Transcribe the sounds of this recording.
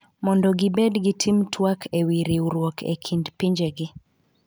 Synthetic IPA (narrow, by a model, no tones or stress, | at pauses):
mɔndɔɡɪbɛdɡɪtʰimtʰwakʰewiɾiuɾwɔkʰḛkʰindpiɲd͡ʒeɡɪ